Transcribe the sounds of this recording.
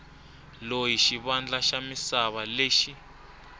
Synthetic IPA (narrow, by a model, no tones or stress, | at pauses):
lojiʃiβand͡ɮaʃamisaβaleːʃi